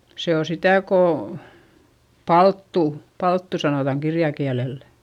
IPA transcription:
se o sitæˑ koˑ pɑltːuˑ pɑltːu sɑnotɑŋ kirjɑkiælelːæ̥

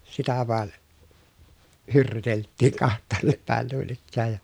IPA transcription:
sitæ ʋɑˑe hyrːyteltːiːŋ kɑhtˑɑːnːep pæˑen nuin ikːæːj jɑ

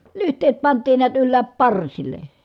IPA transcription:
lyhtˑeːt pɑntˑiːn niæt ylːæːp pɑrsilˑe

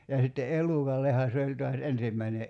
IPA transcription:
jɑ sitːe ʔelukɑlːehɑ se olʲ toɑs ensimːæine

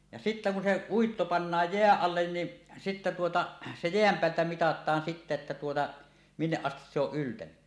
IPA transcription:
jɑ sitːæ kun se uitːo pɑnːɑːj jeæʔ ʔɑlːen ni sitːæ tuotɑ se jeæm peæltæ mitɑtˑɑːn sitːæ etːæ tuotɑ minːeʔ ʔɑstis se oʔ ʔyltæny

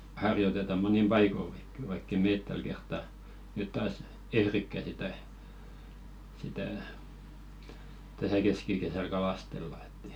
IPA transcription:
hɑrjotetɑ monim pɑikoŋki ʋɑikː eˑ meːt tæl kertːɑ nyt tɑːs ehrikːæ sitæ sitæˑ tæsæ keskikesæl kɑlɑstelːɑ e̥tː

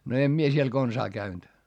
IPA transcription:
no em mie siel konsɑː kæynd̥

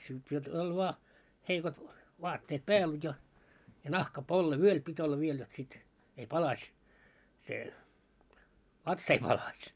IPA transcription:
kyl siel olʲ ʋoɑ heikot ʋɑːtːeːt pæːl jɑ jɑ nɑhkɑpolːe ʋyøl pit olːɑ ʋiel jot sit ei pɑlɑsʲ se ʋɑtsɑ̆ ei pɑlɑsʲ

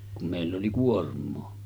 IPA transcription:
kum meˑilː oli kuormˑoː

